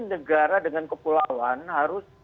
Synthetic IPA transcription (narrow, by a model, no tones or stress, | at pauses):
nəɡaɾadəŋankəpulawanhaɾʊs